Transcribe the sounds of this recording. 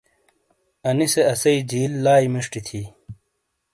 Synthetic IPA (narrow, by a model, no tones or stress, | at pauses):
ɐniseɐsɐid͡ʑiːlːaːjmiʂʈit̪ʰi